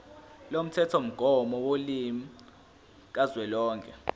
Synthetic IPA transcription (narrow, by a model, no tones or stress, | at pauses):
lom̩tʰɛtʰom̩ɡ̥ʱɔmɔwolimi | k̬azwɛlɔːŋkʰʼɛ